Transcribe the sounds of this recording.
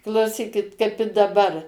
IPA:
klˠɐʊˈsʲiːkʲɪt kɐɪp ɪ dɐˈbɐr

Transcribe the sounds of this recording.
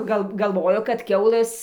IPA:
ˈɡɐlˠ ɡɐlˠˈʋoːjoː kɐt ˈkʲɛʊlˠɘs

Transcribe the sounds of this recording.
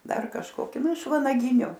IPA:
ˈdɐr kɐʃkoːˈkʲɪ ˈnʊ ɪʃ ʋɐnɐˈɡʲɪnʲʊ

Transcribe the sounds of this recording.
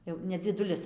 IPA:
ˈjɛʊ nʲɛ d͡zʲiɛˈdʊlʲɪs

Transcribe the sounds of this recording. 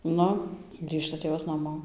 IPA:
ˈnʊ ˈɡrʲiːʃtɐ ˈtʲeːʋɐs nɐˈmoː

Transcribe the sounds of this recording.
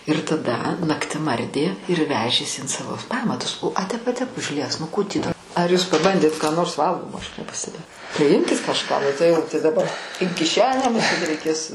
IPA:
ɪr tɐˈdɐ nɐkˈtʲɪm ˈɐrʲdʲeː ɪr ˈʋʲæːʒʲeːs ɪn ˈsɑːʋoː ˈpɑːmɐtʊs oː ɐ ˈtʲɛp ɐ ˈtʲɛp ʊʒʲˈlʲiɛs nʊ ˈkuː tʲiː dɐ ɐr juːs pɐˈbɐnʲdʲeːt kɑː ˈnoːrs ˈʋɐlˠɡoːmoː ˈɐʃ nʲɛpɐsʲtʲɛˈbʲeːjɛʊ tɐɪ ˈɪmʲkʲɪt kɐʃˈkɑː tɐɪ ˈjɛʊ tɐɪ dɐˈbɐ ɪn kʲɪˈʃʲæːnʲæː mʊˈsʲeːt rʲɛɪˈkʲeːs

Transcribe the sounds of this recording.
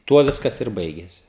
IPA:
ˈtuɔ ˈʋʲɪskɐs ɪr ˈbɐɪɡʲeːsʲɪ

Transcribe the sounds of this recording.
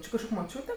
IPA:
ˈt͡ʃʲɪ kɐʃˈkoːkʲ moːˈt͡ʃʲuːtʲɛ

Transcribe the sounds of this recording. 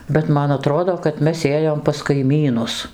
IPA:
bʲɛt ˈmɐn ɐˈtroːdoː kɐt ˈmʲɛs ˈeːjoːm pɐs kɐɪˈmʲiːnʊs

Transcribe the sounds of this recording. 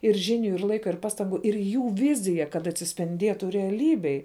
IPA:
ɪr ˈʒʲɪˌnʲʊ ɪr ˈlˠɐɪkɐ ɪr ˈpɑːˌstɐŋɡʊ ɪr ˈjuː ˈʋʲɪzʲɪjɛ kɐt ɐtʲsʲɪsʲpʲɪnʲˈdʲiɛtʊ rʲɛɐˈlʲiːbʲeːj

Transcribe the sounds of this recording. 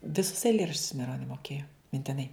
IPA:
ʋʲɪˈsʊs ɛɪˈlʲeːrɐʃʲt͡ʃʲʊs mɐɪˈroːnʲoː moːˈkʲeːjoː mʲɪnʲtʲɪˈnɐɪ

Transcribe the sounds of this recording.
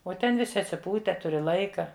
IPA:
oː ˈtʲɛn ʋʲɪˈsʲɪ ɐtʲsʲɪˈpuːtʲɛ ˈtʊrʲɪ ˈlˠɐɪkɐ

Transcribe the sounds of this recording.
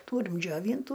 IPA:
ˈtuːrʲɪm d͡ʒʲoːˈʋʲiːntʊ

